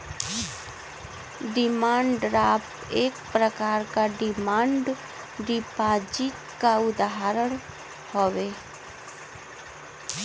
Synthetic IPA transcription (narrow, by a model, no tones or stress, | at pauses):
ɖɪmãːɳɖɾaːp | eːkpɾəkaːɾkaɖɪmãːɳɖ | ɖɪpaːd͡ʒɪt̪kaʊd̪aɦɾəɽ̃ | hoːʋeː